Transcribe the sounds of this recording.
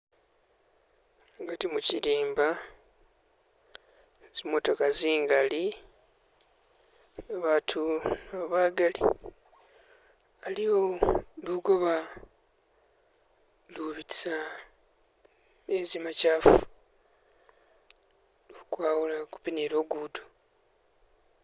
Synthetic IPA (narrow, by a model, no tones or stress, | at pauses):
ɡatimuciɾiːmba | z̥imoto̞kaziːŋɡali | aβaːtʰunaβaːɡalḭ | alijoluɡo̞βa | luβiti̥sa | ezimacaːfu̥ | lukwaːwulaku̥pineɾo̞ːɡuːdo